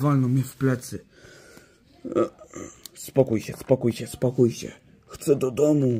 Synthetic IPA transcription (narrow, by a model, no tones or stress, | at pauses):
valnɔmʲɛfplɛt̪sɘ | spɔkujɕɛspɔkujɕɛspɔkujɕɛ̰ | xt̪sɛd̪ɔd̪ɔmu